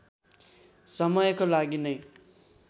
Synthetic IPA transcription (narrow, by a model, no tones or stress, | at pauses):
sʌmʌjkolaɡinʌj